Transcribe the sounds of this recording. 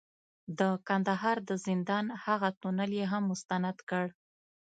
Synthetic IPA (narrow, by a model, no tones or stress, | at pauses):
d̪əkand̪aɦɑɾd̪əzɪnd̪ɑnhaɣat̪unəljeɦamːʊst̪anad̪kəɽ